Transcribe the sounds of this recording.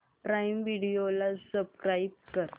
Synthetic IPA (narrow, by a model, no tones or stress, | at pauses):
pɾaimʋiɽiolasəbskɾaib̚kəɾ